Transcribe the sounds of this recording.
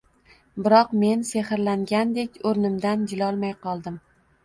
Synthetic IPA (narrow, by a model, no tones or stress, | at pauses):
bɪɾɒqme̞nseχɪɾlaŋɡʲand̪e̞kʲoɾnɪmd̪and͡ʒɪlɒlˠmajqʰɒlˠd̪ɪm